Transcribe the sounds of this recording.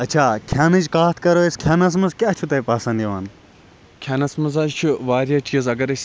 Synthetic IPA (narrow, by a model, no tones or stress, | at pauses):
ɐt͡ʃʰaːkʲʰaːnɐd͡ʒkaːt̪ʰkɐɾoeskʲʰjaːnɐs̬mɐzkʲaːt͡ʃʰut̪ɐjpaːsɐ̃nd̪ʲjiʋan | kʲʰaːnɐsmɐzat͡ʃʰuʋaːɾijɐt͡ʃʰizɐɡɐɾɐsʲ